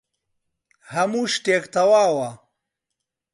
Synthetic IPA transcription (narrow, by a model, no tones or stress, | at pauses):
hɐmuʂʈeːkt̪ɐwaːwa